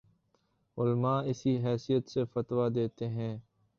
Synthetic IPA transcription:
ʊlmaːɪsiɦɛːsijət̪sefət̪wad̪eːt̪eɦɛ̃ː

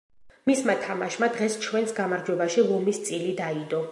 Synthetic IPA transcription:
mismat̪ʰamaʃmad̪ʁɛst͡ʃʰwɛnsɡamaɾd͡ʒwɛbaʃilˠɔmist̪sʼilid̪aid̪ɔ

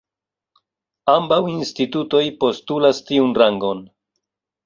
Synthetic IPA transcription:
ambawinstituto̞jpo̞stulastiunɾaŋɡo̞n

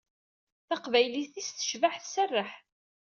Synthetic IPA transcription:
θɑqvæjliθisθə̥ʃvaħθsərːəħ

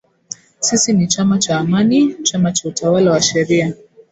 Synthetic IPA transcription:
sisinit͡ʃamat͡ʃaːmanit͡ʃamat͡ʃautʰawalawaʃɛɾia

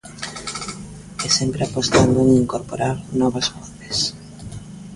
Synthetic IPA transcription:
ɛsempɾeapost̪and̪oeŋiŋkoɾpoɾaɾnɔβazβotes

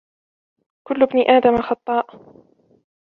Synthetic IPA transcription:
kʊlːʊbniʔaːd̪amaxɑt̪ˤːɑːʔ

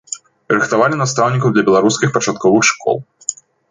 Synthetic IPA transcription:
ɾɨxt̪avalʲinast̪awnʲikɐwd̪lʲɐbʲɛlˠaɾuskʲixpɐt͡ʂat̪kɔvɨxʂkʰɔ̰lˠ

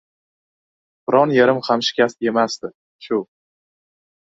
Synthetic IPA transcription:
b̥ɪɾɒnjaɾɪmhamʃɪ̥kʲʰast̪e̞masd̪ɪ | ʃʊ

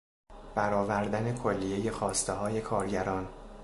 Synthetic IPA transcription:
bæɾɒːvæɾd̪æne̞kʰolːijeje̞xɒːst̪eɦɒːje̞kʰɒːɾɟæɾɒːn

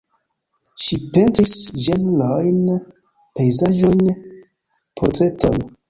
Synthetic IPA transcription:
ʃipe̞ntɾisd͡ʒenlojn | pe̞jzaʒo̞jn | pʰo̞ɾtɾe̞to̞̰jn

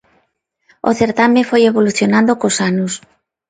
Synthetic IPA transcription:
o̰θeɾt̪amẽfojeβoluθjonãnd̪okosanʊs

